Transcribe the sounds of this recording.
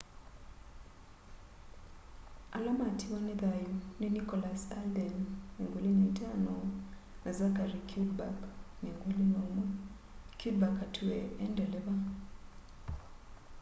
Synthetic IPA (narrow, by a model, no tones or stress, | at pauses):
alamatʰiwaniðajuninikɔlasaldɛnnḛŋɡolinetano | nazakaɾikʰudba̰kneŋɡolinomɔ | kud̚bakatʰuɛɛndɛlɛβa